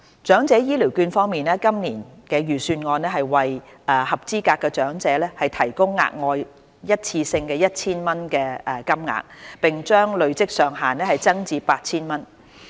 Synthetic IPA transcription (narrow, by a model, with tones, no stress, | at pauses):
t͡ʃœː˨˥ŋt͡sɛː˨˥jiː˥li˨˩wkyː˧nfɔː˥ŋmiː˨nɛː˥kɐ˥mniː˨˩nkɛː˧jyː˨˩syː˧nŋɔː˧nlɛː˥ɦɐ˨jwɐ˨jʔɛː˨hɐ˨p̚t͡siː˥kaː˧kːɛː˧t͡ʃœː˨˥ŋt͡sɛː˨˥lɛː˥hɐ˨jt̪ʰɐ˨˩jkʊ˥ŋːa̰ː˧k̚ŋɔː˧j | jɐ˥t̚t͡sʰiː˧sɪ˧ŋkɛː˧jɐ˥t̚t͡sʰiː˥nmɐ˥nkɛː˧ʔɛ˨˩kɐ˥mŋa̰ː˨˩k̚pɪ˨ŋt͡ʃœː˥ŋlɵ˨ɥt͡sɪ˥k̚sœː˨ŋɦaː˨nlɛː˥hɐ˨jt͡sɐ˥ŋt͡siː˧paː˧t̚t͡sʰiː˥nmɐ˥n